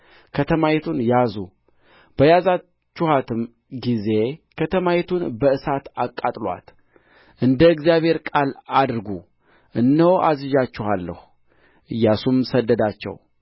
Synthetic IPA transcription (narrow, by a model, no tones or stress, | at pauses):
kʰət̪ʰəmajɛt̪ʰunjazu | b̥əjaza | t͡ʃːuhat̪ʰɨm | ɡize̞kʰət̪ʰəmajɛt̪ʰunbəɨsat̪akʼːat̪ʼlwa̰t̪ | ʔɨnd̪əɨɡzijaβhe̞ɾkʼalad̪ɾɡu | ʔɨnːəwoʔazɨʒat͡ʃːɛhalːə̰hu | ʔɨjːasumsəd̪ːəd̪at͡ʃːɛ̰w